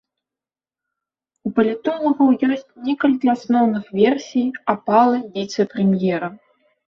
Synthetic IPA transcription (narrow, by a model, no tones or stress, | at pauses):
upɐlʲit̪ɔlˠɐɣɐwjɔsʲt͡sʲnʲɛkɐlʲkʲiasnɔwnɨxvʲɛrsʲijapalˠɐvʲit̪sɨpɾɛmʲjɛɾɐ